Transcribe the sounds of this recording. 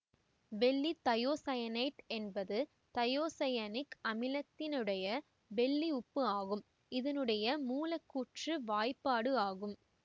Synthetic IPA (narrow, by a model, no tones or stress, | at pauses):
ʋɛɭːit̪ɐjoːsɐjɐnɐɪʈɛnbɐðɯ | t̪ɐjoːsɐjɐnɪkɐmɪlɐt̪ːɪnɯɽɐjɐ | bɛɭːiʊpːɯaːɣɯm | ɪðɐnɯɽɐjɐmuːlɐkːuːʈrɯʋaːjpːaːɽɯaːɣɯm